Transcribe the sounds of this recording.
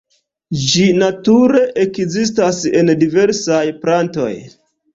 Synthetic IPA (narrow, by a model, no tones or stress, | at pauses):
d͡ʒinatuɾe̞ʔekzis̬tase̞̰ndive̞ɾsajpɾanto̞̰j